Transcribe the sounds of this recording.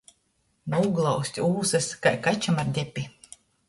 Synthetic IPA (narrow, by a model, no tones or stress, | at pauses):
nuuɡlˠawsʲt̪ʲuːsɨskajkat͡ʃamaɾd̪ʲɛpʲi